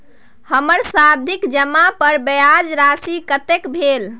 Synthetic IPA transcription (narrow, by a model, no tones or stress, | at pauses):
həməɾsab̚d̪ʱikd͡ʒəmːapəɾbəjad͡ʒɾasikət̪ekbʱel